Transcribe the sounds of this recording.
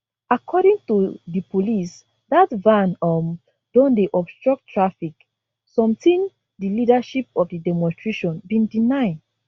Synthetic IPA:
akʰɔɾĩŋtudipolis | datvãnɔm | d̥ɔ̃ndeʔɔpstɹɔk̚tʰːɹafik | sɔ̃mtĩn | dilidaʃipɔfdidɛmɔ̃nstɹeʃɔ̃nbĩndinaɪd

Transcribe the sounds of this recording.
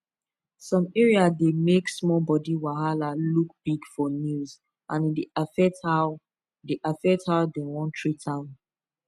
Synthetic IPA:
sɔ̃mɛɹiademeksmɔbɔdiwaɦalaluk̚b̥iɡfɔnuz | ʔãnideafɛthaʊ | deʔafɛthaʊdewɔ̃ntʰɹitʰãʊ̃n

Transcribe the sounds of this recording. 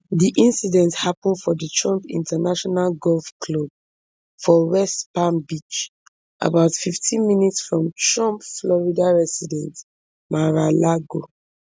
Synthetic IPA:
diʔĩnsidɛ̃nthapɔ̃nfɔdətʰɹɔ̃mpḭ̃ntanaʃɔnalɡɔlfklob̚ | fɔwɛspãnbit͡ʃ | ʔa̰baʊtfiftʰĩnminitsfɹɔ̃mtɹɔ̃mpflɔɹidaɹɛsidɛ̃nt | maɹalaɡo

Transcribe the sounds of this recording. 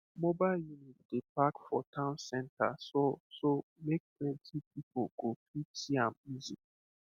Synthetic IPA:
mobaɪljunit̚d̥epakfɔtʰãʊ̃nsɛ̃nta̰sosomek̚plɛ̃ntʰipipoɡ̥opʰitiãmizi

